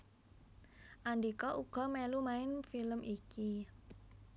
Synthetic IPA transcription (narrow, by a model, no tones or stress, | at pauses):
ʔaɳɖikɔʔuɡ̥ɔ̤mɛlumaɪnfiləmiki